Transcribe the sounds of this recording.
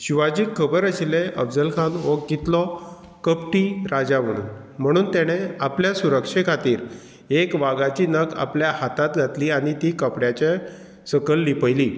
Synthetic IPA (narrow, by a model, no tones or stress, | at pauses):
ɕiʋad͡ʑiːkʰːəbəɾəɕileʔəbd͡zəlkʰanɦokɡit̪lɔ | kəpʈiːɾad͡zam̤əɽ̃ṵːnm̤əɽ̃uːnt̪jaɽ̃eapljasuɾəkʂekʰat̪iːɾ | ekʋaɡat͡ɕiːnəka̰pljahat̪at̪ɡʱat̪liːaɽ̃it̪ikəpɽjat͡ɕe | səkəlːipəjliː